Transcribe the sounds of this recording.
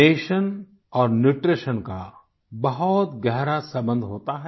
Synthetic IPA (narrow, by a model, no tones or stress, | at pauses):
eːʃən | ɔːɾnuʈɾeːʃənka | bɐɦʊt̪ɡɛɦɾasɐbə̃nd̪ʱɦoːt̪aɦɛ